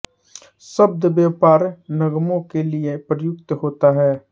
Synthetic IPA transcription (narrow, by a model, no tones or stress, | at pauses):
səb̚d̪bjaːpaːɾnɐɡmõkeliepɾəjʊk̚t̪ɦoːt̪aɦɛː